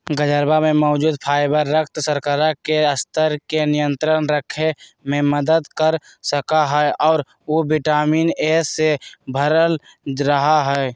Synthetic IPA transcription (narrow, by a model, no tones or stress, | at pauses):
ɡəd͡ʒəɾbamẽmɔːd͡ʒuːd̪pʰaːɪbəɾːək̚ʰt̪səɾkəɾakeəst̪əɾkenɪjə̃nt̪ɾənɾəkʰemẽməd̪əd̪kəɾ | səkaɦɛʔɔːɾ | obɪʈaːmiːneːsebʱəɾəl | ɾəɦaɦɛː